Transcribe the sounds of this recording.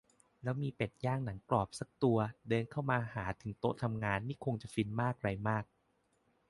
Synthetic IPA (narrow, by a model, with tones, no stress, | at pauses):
lɛː˦˥wmiː˧pe˨˩t̪̚jaː˥˩ŋna˩˦ŋklɔː˨˩p̚sa˨˩k̚t̪u˧ɐdɤː˧nkʰa˥˩wmaː˧haː˩˦t̪ʰɯ˩˦ŋt̪o˦˥t̪ʰa˧mŋaː˧nːiː˥˩kʰo˧ŋt͡ɕa˨˩fi˧nmaː˥˩k̚ɾa˧jmaː˥˩k̚